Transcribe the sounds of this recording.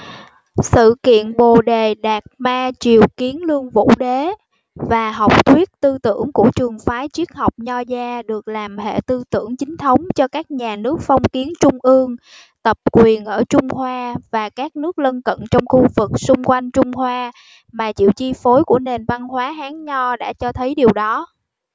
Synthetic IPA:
sɨ̰˧˨kḭ˧˨ənɓo˨˩ɗe˨˩ɗaː˨˩k̚maː˧t͡ɕi˨˩əwki˨˦ənlɨ˧əŋvṵ˧˥ɗe˨˦ | vaː˨˩ɦɔ˨˩wk͡p̚kwi˦˥ət̚t̪ɨ˧t̪ɨ̰˧˩˨əŋku˧˩ət͡ɕɨ˨˩əŋfaː˨˦jt͡ɕi˦˥ək̚ha˨˩wk͡p̚ɲɔ˧zaː˧ɗɨ˨˩ək̚laː˨˩mhḛ˧˨t̪ɨ˧t̪ɨ̰˧˩əŋt͡ɕï˨˦ŋ̟t̪ʰə˨˦wŋ͡mt͡ɕɔ˧kaː˦˥k̚ɲaː˨˩nɨ˦˥ək̚fɔ˧wŋ͡mki˨˦ənt͡ɕʊ˧ŋ͡mʔɨ˧əŋ | t̪ə˨˩p̚kwi˨˩ənʔəː˧˩t͡ɕʊ˧ŋ͡mhwaː˧vaː˨˩kaː˦˥k̚nɨ˦˥ək̚lə˧nkə̰˧˨nt͡ɕɔ˧wŋ͡mxu˧vɨ˨˩k̚sʊ˧ŋ͡mkwa˧jŋ̟t͡ɕʊ˧ŋ͡mhwaː˧ | maː˨˩t͡ɕḭ˧˨wt͡ɕi˧fo˨˦jkṵ˧˩əne˨˩nva˧nhwaː˨˦ɦaː˨˦ŋɲɔ˧ɗa̰ː˧˥t͡ɕɔ˧t̪ʰə˨˦jɗi˨˩əwɗɔ˨˦

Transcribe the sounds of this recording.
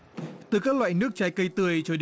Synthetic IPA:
t̪ɨ˨˩kaː˦˥k̚lwa̰ː˧˨jnɨ˦˥ək̚t͡ɕaː˧jkə˧jt̪ɨ˨˩əjt͡ɕɔ˧ɗ

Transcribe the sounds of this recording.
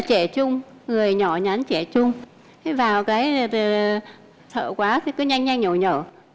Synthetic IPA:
t͡ɕɛ˧˩t͡ɕʊ˧ŋ͡m | ŋɨ˨˩əjɲɔ˧˩ɲa˨˦nt͡ɕɛ˧˩t͡ɕʊ˧ŋ͡m | vaː˨˩wkaː˨˦j | sʰə̰ː˧˨kwaː˨˦t̪ʰi˨˦kɨ˨˦ɲa˧jŋɲa˧jŋɲə˨˧˩ɲəː˧˩

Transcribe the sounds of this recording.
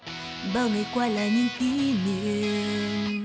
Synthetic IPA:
ba˦˨ŋe˨kwa˦la˨nĩ˦ki˦ne˨˦

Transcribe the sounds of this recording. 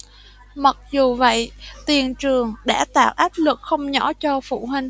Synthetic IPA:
ma˨˩k̚zu˨˩və̰˧˨jt̪i˨˩ənt͡ɕɨ˨˩əŋɗa̰ː˧˥t̪a̰ː˧˨wʔaː˦˥p̚lɨ˨˩k̚xə˧wŋ͡mɲɔ˧˥˦t͡ɕɔ˧fṵ˧˨ɦï˧ŋ̟

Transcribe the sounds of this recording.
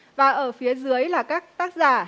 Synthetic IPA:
vaː˨˩ʔəː˧˩fi˨˦əzɨ˨˦əjlaː˨˩kaː˦˥k̚t̪aː˦˥k̚zaː˧˩

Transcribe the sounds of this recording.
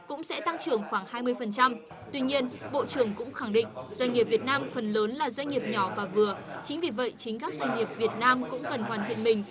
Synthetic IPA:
kʊ̰˧˥ŋ͡msɛ̰˧˥t̪a˧ŋt͡ɕɨ˨˩əŋxwaː˧˩ŋhaː˧jmɨ˧əjfə˨˩nt͡ɕa˧m | t̪wi˧ɲi˧ənɓo̰˧˨t͡ɕɨ˨˩əŋkʊ̰˧˥ŋ͡mxa˧˩ŋɗḭ̈˧˨ŋ̟zwa˧ɲ̟ŋi˨˩əp̚vi˨˩ət̚naː˧mfə˨˩nləː˨˦nlaː˨˩zwa˧jŋ̟ŋi˨˩əp̚ɲɔ˧˩vaː˨˩vɨ˨˩ət͡ɕï˨˦ŋ̟vi˨˩və̰˧˨jt͡ɕï˨˦ŋ̟kaː˦˥k̚zwa˧jŋ̟ŋi˨˩əp̚vi˨˩ət̚naː˧mkʊ̰˧˥ŋ͡mkə˨˩nhwaː˨˩nt̪ʰḭ˧˨ənmï˨˩ŋ̟

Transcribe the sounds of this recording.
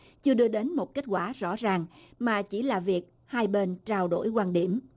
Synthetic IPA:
t͡ɕɨ˧əɗɨ˧əɗe˨˦nmo˨˩t̚ke˦˥t̚kwaː˧˩zɔ̰˧˥zaː˨˩ŋmaː˨˩t͡ɕi˧˩laː˨˩vi˨˩ək̚ | haː˧jɓe˧nt͡ɕaː˧wɗo̰˧˩jkwaː˧nɗi˧˩əm

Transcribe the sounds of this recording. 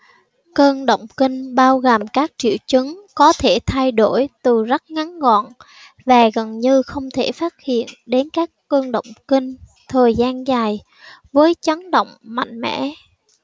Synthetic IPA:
kəː˧nɗə̰˧˨wŋ͡mkï˧ŋ̟ɓaː˧wɣə˨˩mkaː˦˥k̚t͡ɕḭ˧˨əwt͡ɕɨ˨˦ŋkɔ˨˦t̪ʰe˧˩t̪ʰa˧jɗo˧˩jt̪ɨ˨˩zə˦˥t̚ŋa˨˦nŋɔ̰˧˨n | vaː˨˩ɣə˨˩nɲɨ˧xə˧wŋ͡mt̪ʰe˧˩faː˦˥t̚hḭ˧˨ənɗe˨˦nkaː˦˥kːəː˧nɗə̰˧˨wŋ͡mkï˧ŋ̟ | t̪ʰəː˨˩jzaː˧nzaː˨˩j | vəː˨˦jt͡ɕa˨˦ŋɗə̰˧˨wŋ͡mma̰˧˨jŋ̟mɛ̰˧˥

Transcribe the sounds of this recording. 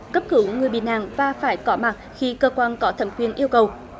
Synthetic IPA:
kə˦˥p̚kɨ˨˦wŋɨ˨˩əjɓḭ˧˨˩nʔa̰ː˧˨ŋvaː˨˩faː˧˩jkɔ˨˦maː˨˩t̚xi˧kəː˧kwaː˧nkɔ˨˦t̪ʰə˧˩mkwi˧ənʔi˧əwkə˨˩w

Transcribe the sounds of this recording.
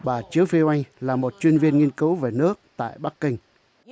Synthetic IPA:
ɓaː˨˩t͡ɕɨ˨˦əwfi˧ʔa˧jŋ̟laː˨˩mo˨˩t̚t͡ɕwi˧nvi˧ənŋi˧ənkɨ˨˦wve˨˩nɨ˦˥ək̚t̪a̰ː˧˨jɓa˦˥k̚ːï˧ŋ̟

